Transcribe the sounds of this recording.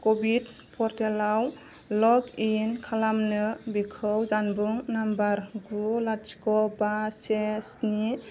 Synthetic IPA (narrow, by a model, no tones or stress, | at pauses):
kɔbid | pʰɔɾtelaw | lɔkinkʰalamnɯbikʰɯwzanbuŋnambaɾɡulat͡ʃkɔbasesni